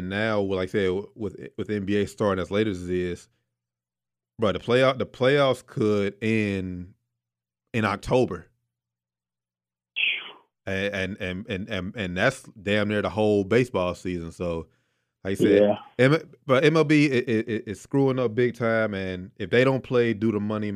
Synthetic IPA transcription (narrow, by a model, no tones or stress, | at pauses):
ɨ̃nːaʊwlaɪksɛdwɪðwɨðɛ̃mbieɪstɑɹɾɪ̃ŋɨzleɪɾə˞zðɪs | ɹaɪt̚ðəpʰl̥eɪɑðəpʰl̥eɪɑfskʰəɾɪ̃n | ɨ̃nɑk̚tʰoʊbə˞ | ɨɨ̃nɨ̃nɨ̃nɨ̃nɨ̃nðætsd̥æ̃mnə˞ðəhoʊlˠbeɪsb̥ɔlˠsizɨ̃nsoʊ | aɪkjɨsɛæɛ̃mb̥ʌɾɛ̃mɛlˠbiɪʔɪʔɪɪtskɹuɪ̃ŋʌp̚bɪɡ̚tʰãɪ̃mɨ̃nɨfðeɪɾõʊ̃npʰl̥eɪdɨðəmʌñi